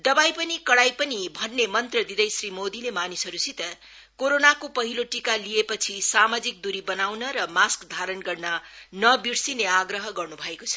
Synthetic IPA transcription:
d̪ʌbajpʌnikʌɽajpʌnibʱʌnːemʌnt̪rʌd̪id̪ʌjsrimod̪ilemanisɦʌɾusʰit̪ʌ | koɾonakopʌɦiloʈikalijepʌt͡sʰisamad͡zik̚d̪uɾibʌnawnʌɾʌmaskd̪ʱaɾʌnɡʌrnʌnʌbiɽsineaɡrʌɦʌɡʌrnubʱʌekot͡sʰʌ̥

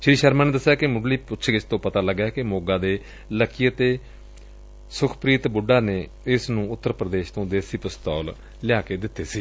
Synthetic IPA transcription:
ʃɾiːʃəɾmaːneːd̪əsːjaːkɪmʊɖliːpʊtːʃʰɡɪt͡ʃt̪õːpət̪aːləɡjaːkɪmoːɡãːd̪eː | ləkːijət̪eː | sʊkʰpɾiːt̪bʊɖaːneː | ɪsnũːʊt̪ːəɾpɾəd̪eːʃt̪õːd̪eːsiːpəst̪ɔːl | lɪjaːkeːd̪ɪt̪ːeːsiː

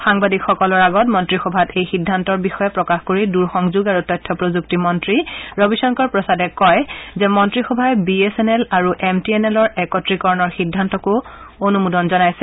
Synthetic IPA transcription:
xaŋbadikxɔkɔlɔɹaɡɔtmɔntɹixɔbʱatejxidʱːantɔɹbixɔjɛpɹɔkaxkoɹiduɹxɔŋzuɡaɹutɔjtʰːɔpɹozuk̚timɔntɹiɹobisɔŋkɔɹpɹɔsadɛkɔjzɛmɔntɹixɔbʱajbiesɛnɛlaɹuʔemtiɛnelɔɹɛkɔtɹikɔɹnɔɹxidʱːantɔkʊ | onumudɔnzɔnajsɛ

